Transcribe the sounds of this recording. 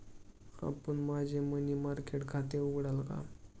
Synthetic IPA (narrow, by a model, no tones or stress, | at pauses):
a̰pəɳmad͡ʑʱemənimaɾkeʈkʰat̪euɡɽalka̰